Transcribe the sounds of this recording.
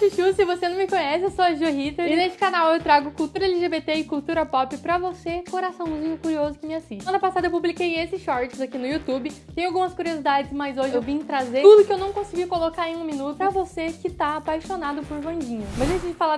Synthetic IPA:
siʃusɪvosenɐ̃w̃mɪkõɲɛsɪewsoɐʒuɦit̪eɾɪnest͡ʃɪ̥kanawewt̪ɾaɡʊkuwt̪uɾɐelɪʒebet̪eɪkut̪uɾɐpɔpɪpɾɐvosekoɾasɐ̃w̃zĩɲʊkuɾiozʊkɪmɪasiʃɐ̃nɐpasad̪ɐewpublikejesɪsʃɔɾt͡ʃɪzakinʊjut̪ubɪẽj̃awɡũmɐskuɾiozid̪ad͡ʒɪsmɐzoʒɪewvĩt̪ɾazet̪ud̪ʊkɪewnɐ̃w̃kõsɪɡikolokaẽj̃ũmĩnut̪ʊpɾɐvosekɪt̪aːpajʃonad̪ʊpoɾvɐ̃d͡ʒĩɲʊmɐ̃zẽt͡ʃɪd͡ʒɪfala

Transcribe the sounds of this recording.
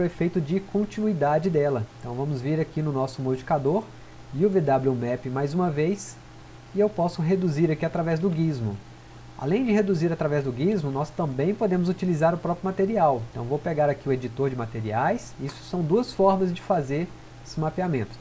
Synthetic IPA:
wefejt̪ʊd͡ʒɪkõnt͡ʃinuid̪ad͡ʒɪd̪ɛlɐẽt̪ɐ̃w̃vɐ̃mʊzviɾakinʊnɔsʊmod͡ʒi̥kad̪oɾ | ɪʊved̪abluumɛpɪmajzũmɐvejs | ɪewpɔsʊɦed̪uziɾakiat̪ɾavɛzd̪ʊɡizmʊ̰ | a̰lẽj̃d͡ʒɪɦed̪uziɾat̪ɾavɛzd̪ʊɡizmʊnɔst̪ɐ̃mbẽj̃pod̪ẽmʊzut͡ʃilizaɾʊpɾɔpɾjʊmat̪eɾiawẽt̪ɐ̃w̃vowpeɡaɾakiʊed͡ʒit̪oɾd͡ʒɪmat̪eɾiajsisʊ̥sɐ̃w̃d̪uɐsfɔɾmɐzd͡ʒɪfazeɾ | esmapiamẽnt̪ʊ̥

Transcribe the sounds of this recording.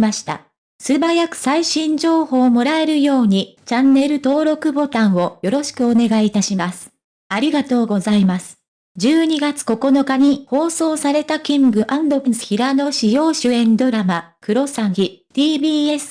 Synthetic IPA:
maɕi̥t̪a̰ | sɨbajakɯ̟̥saiɕĩɲ̟d͡ʑo̞ːho̞ːmo̞ɾae̞ɾɯ̟jo̞ːɲ̟it͡ɕãnːe̞ɾɯ̟t̪o̞ːɾo̞kɯ̟bo̞t̪ãɰ̃o̞jo̞ɾo̞ɕi̥kɯ̟o̞ne̞ɡait̪aɕimasɨ̥ | aɾʲiɡat̪o̞ːɡo̞zaimasɨ̥ | d͡ʑɨːɲ̟iɡat͡sɨ̥ko̞ko̞no̞kaɲ̟iho̞ːso̞ːsaɾe̞t̪akʲĩŋɡɯ̟ʔãnd̪okɯsɨ̥çiɾano̞ɕijo̞ːɕɨẽ̞nd̪o̞ɾamakɯ̟ɾo̞sãɰ̃çit̪iːbʲiːe̞sɨ̥

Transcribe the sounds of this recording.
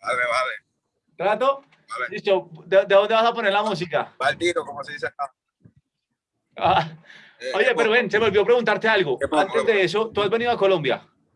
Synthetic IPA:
baleβale | t̪ɾat̪o̞ | aledisod̪ed̪eðo̞nd̪e̞βasapo̞neɾlamus̬ika̰balt̪iɾokomoseðiθet̪a | a | oʝe̞peɾoβe̞nse̞βo̞lβjopɾe̞ɣunt̪aɾt̪ealɣoãnt̪e̞zðe̞es̬ot̪uazβe̞niðako̞lõ̞mbja̰

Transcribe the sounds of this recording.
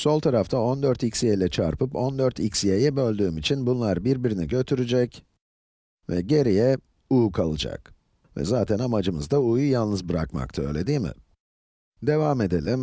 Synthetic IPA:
so̞lˠt̪ʰaɾaft̪ʰao̞nd̪øɾt̪icsijejlʲɛt͡ʃʰa̰ɾpɯpo̞nd̪øɾt̪ʰicsijejɛbø̞lʲd̪yːmit͡ʃʰinbunlˠaɾbiɾbiɾinḭɟø̞t̪ʰyɾyd͡ʒɛc | vɛ̰ɟe̞ɾijɛ | uːkʰalˠɯd͡ʒa̰k | vɛ̰zaːt̪ʰɛnamad͡ʒɯmɯzd̪aujjalˠnɯzbɯɾa̰kma̰kt̪ʰaø̞ːlʲe̞d̪iːmɪ̰ | d̪e̞vaːme̞d̪elʲim

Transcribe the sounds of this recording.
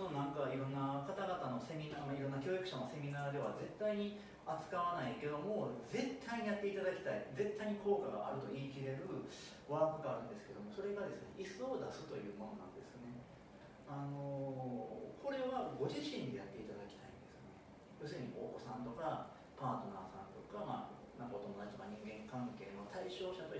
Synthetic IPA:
nonãŋkaiɾõ̞nːakat̪aɡat̪ano̞se̞mʲinamaiɾõnːakʲo̞ːikɯ̟ɕano̞se̞mʲinaːd̪e̞βaze̞t̪ːaiɲ̟i | at͡sɨ̥kaβanaike̞d̪o̞mo̞ze̞t̪ʰːaiɲ̟ijat̪ːeit̪ad̪akʲi̥t̪aid͡ze̞t̪ːaiɲ̟ikʰo̞ːkaɡa̰ʔa̰ɾɯ̟t̪o̞iːkʲiɾe̞ɾɯ̟ | βaːkɯ̟ɡaːɾɯ̟̃nd̪e̞sɨ̥ke̞d̪o̞mo̞so̞ɾe̞ɡad̪e̞sɨne̞̰ʔisɨod̪asɨt̪o̞̰jɯ̟ːmo̞no̞̰nã̰nd̪e̞sɨne̞ | ano̞ | kʰo̞ɾe̞βaɡo̞ʑiɕĩɲ̟d̪ejat̪ːe̞it̪ad̪akʲi̥t̪aḭ̃nd̪e̞sɨne | jo̞ːs̬ɨɾɯ̟ɲ̟ikoːko̞sãnt̪o̞ka | paːt̪o̞naːsã̰nt̪o̞kama̰ː | nãŋkaot̪o̞mo̞d̪at͡ɕi̥t̪okaɲ̟ĩŋɡẽ̞ŋkãŋke̞ːnot̪ʰaiɕo̞ːɕat̪o

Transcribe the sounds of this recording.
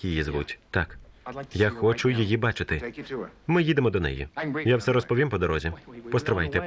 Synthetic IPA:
ijizʋutʲt̪ɑ̰kjaxɔt͡ʃʊjijibɑt͡ʃɪt̪ɪmɪjid̪emɔd̪ɔnɛ̰jḭjawsɛɾɔspɔʋʲimpɔd̪ɔɾɔzʲipɔst̪ɾɪʋɑjt̪ɛ

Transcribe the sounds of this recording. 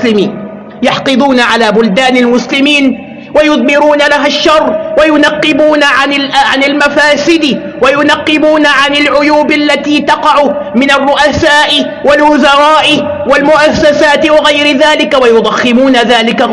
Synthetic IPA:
lɪmiːn | jɑħqɨd̪ˤuːnaʕalaːbʊld̪aːnalmʊslɪmiːn | wajʊðmɪɾuːnalaɦaʃːɑrˤːwajʊnɑqːɪbuːnaʕanɪlʕanɪlmafaːsɪd̪ɪ | wajʊnɑqːɨbuːnaʕanɪlʕʊjuːbalːat̪iːt̪ɑqɑʕʊ | mɪnarːʊʔasaːʔɪ | walwʊzɑɾˤɑːʔɪ | walmʊʔasːasaːt̪ɪwɑɣajɾɪðaːlɪkawajʊd̪ˤɑxːɪmuːnaðaːlɪka

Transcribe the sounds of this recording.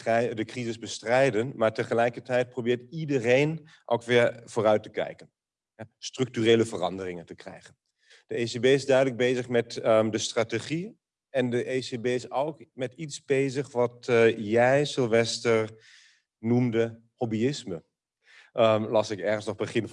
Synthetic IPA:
dəkrizɪzbəstrɛjdənmaːɹtəχəlɛjkəɹtɛjt̚probɪːɹtidərejn | ʔo̰wkʋɪɹv̥oːrœɥtəkɛ̰jkən | ɛstrɵk̚tyreːləvərɑ̰ndərɪŋəntəkrɛ̰jχən | d̥əesebeːɪzdœɥdələɡ̚bejzəχmɛtdəstrateχi | ɛndəʔesebeːɪsowkmɛtitsbejzəχʋɑtjɛjsɪlˠʋɛstəɹ | numdə | hobiɪsmə | lɑsɪkɛɹχənsnɔχbəχɪn

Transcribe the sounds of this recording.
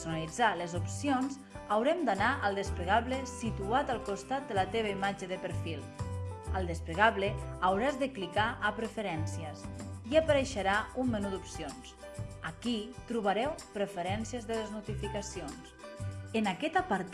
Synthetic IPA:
sunalid͡zaləzupsionz | awɾɛmd̪anaʔəlˠd̪əspləɣaβləsit̪uat̪əlˠkust̪at̪̚d̪ələt̪eβ̞əimad͡ʒəðəpəɾfilˠ | əlˠd̪əspləɣaβleawɾazðəklikaʔəpɾəfəɾɛnsiəsiəpəɾeʃəɾaumːənut̪d̪upsions | akit̪ɾuβəɾɛwpɾəfəɾɛnsiəzðələznut̪ifikasionsənakɛt̪apəɾt̪

